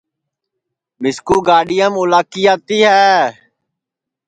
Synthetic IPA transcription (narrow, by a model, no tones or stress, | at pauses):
mɪskuːɡaːɖɪjəmʊlaːkiːjaːt̪iːɦɛː